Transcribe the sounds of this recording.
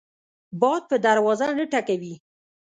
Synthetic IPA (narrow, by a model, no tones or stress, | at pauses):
bɑd̪̚pəd̪aɾwɑzanəʈakawi